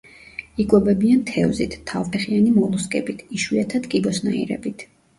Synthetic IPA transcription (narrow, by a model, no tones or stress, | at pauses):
ikʼwɛbɛbiant̪ʰɛvzit̪ʰːavpʰɛχianimɔlˠuskʼɛbit̪ʰiʃwiat̪ʰad̪kʼibɔsnaḭɾɛ̰bit̪ʰ